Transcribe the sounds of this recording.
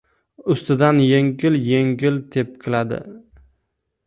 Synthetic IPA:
ʊst̪ɪd̪anjeŋɡʲɪlje̞ŋɡʲɪlt̪ʰe̞p̚kʲʰɪlad̪ɪ̰

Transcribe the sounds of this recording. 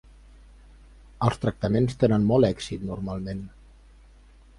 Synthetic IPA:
əlˠst̪ɾək̚t̪əmenst̪enənmɔlˠɛksit̪nurmalˠmen

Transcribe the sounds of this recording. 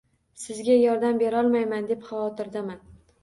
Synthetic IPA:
sɪzɡʲajɒɾd̪ambe̞ɾɒlˠmajmand̪e̞pχɑwɒt̪ɪɾd̪aman

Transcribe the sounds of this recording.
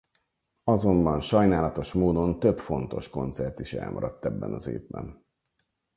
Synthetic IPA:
ɒzo̞mbɒnʃɒjnaːlɒt̪o̞ʃmoːd̪o̞nt̪øpfo̞n̪t̪o̞̰ʃko̞nt̪sɛrt̪iʃɛ̰lmɒɾɒt̪ːɛbːɛnɒzeːvbɛ̰n

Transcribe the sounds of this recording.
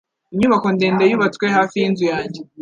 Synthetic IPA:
iɲuβako̞nde̞ːndejuβatkwehaːfijinzujaːɲɟe

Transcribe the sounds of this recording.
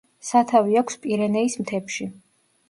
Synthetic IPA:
sat̪ʰaviakʷʰspʼiɾɛnɛismt̪ʰɛpʃi

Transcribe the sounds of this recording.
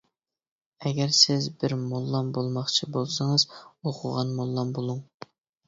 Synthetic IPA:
ɛɡʲɛɾsɪzbɪɾmolˠːɑmbolˠmɑχt͡ʃʰibolˠsɨŋəzoqʰʊʁɑnmolˠːɑmbolˠuŋ

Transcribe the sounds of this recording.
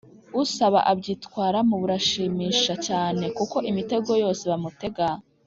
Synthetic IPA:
usaβa̰ʔabɟiːtkwaːɾamuβuɾaʃiːmiːʃat͡ʃaːne̞kuko̞ʔimite̞ɡo̞jo̞ːse̞βamute̞ɡa

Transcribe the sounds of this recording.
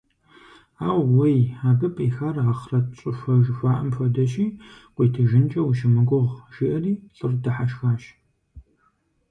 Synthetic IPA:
aːwwejaːbɨpʼiːxaːraχrɐt͡ʃʼɪfʷɐʒfʷaːʔɐmfɐdɐʃiːqʷʼitʰɐʒɪnt͡ʃʼɐwuʃɪmɨɡʷʊʁʒ̥iʔɐriːɬʼɨrdɐħaʃxaːʃ

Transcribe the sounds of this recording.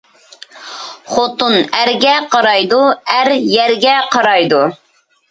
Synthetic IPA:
χot̪unæɾɡʲɛqʰɑɾɑjd̪uæɾjɛɾɡʲɛqʰɑɾɑjd̪u

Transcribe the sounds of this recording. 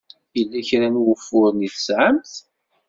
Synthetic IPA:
jəlːæçɾænwəfʊɾniθə̥sʕəmt̪

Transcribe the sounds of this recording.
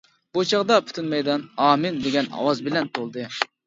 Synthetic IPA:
bot͡ʃʰɑʁd̪ɑpʰy̥t̪ʰɪnmɛjd̪ɑnɑːmɪnd̪eɡʲɛnɑ̰wɑzbɪlɛnt̪ʰolˠd̪ɨ

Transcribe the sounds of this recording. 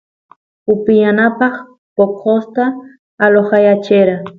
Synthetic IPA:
ʊpɪjanapɑχ | pokʰost̪aː | loχɑjat͡ʃɪɾa

